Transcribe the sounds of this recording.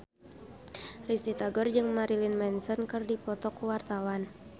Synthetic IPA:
rist̪it̪aɡɔrd͡ʒɨŋmaɾilinmɛnsɔnkɨrdipɔt̪ɔkuwart̪awan

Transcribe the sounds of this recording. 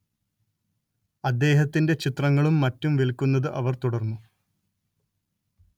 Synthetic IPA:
ɐd̪ːe̞ːɦɐt̪ːinde̞t͡ɕit̪rɐŋːɐɭumːɐtːumʋilkːunːɐðɨʔɐʋɐrt̪uɽɐrnːu

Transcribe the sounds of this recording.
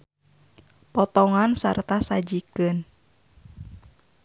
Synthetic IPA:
pɔt̪ɔŋansa̰rt̪asad͡ʒikɨn

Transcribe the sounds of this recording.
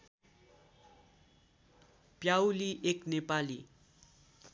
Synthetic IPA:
pjawliʔeknepali

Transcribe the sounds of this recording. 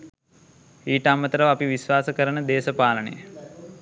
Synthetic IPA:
iːʈəamət̪əɾəʋəapiʋisʋaːsəkəɾənəd̪eːsəpaːlənə̰jə

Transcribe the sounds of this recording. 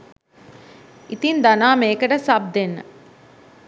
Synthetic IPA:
it̪ind̪anaːmeːkəʈəsab̚d̪enːə̰

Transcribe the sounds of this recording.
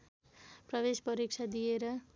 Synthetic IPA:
prʌβespʌɾik̚t͡ʃʰad̪ijeɾʌ

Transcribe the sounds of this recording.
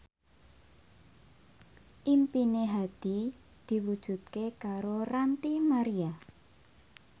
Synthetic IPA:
ʔimpineɦad̪̥i | d̪̥i̤wud̥ʒ̥ṳt̪̚kekaɾorant̪imaɾia

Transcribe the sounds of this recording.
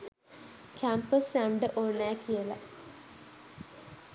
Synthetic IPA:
kʰæmpəsæɳɖəʔoːnːæːkijəlɐ̰

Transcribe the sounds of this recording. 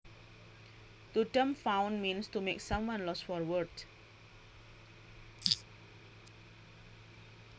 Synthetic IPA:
t̪utə̃mfãw̃nmĩnstumeksʌ̃mwʌ̃nlɔsfɔɹwəd

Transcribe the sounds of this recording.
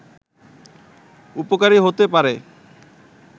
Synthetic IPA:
upokaɾiɦot̪epaɾe

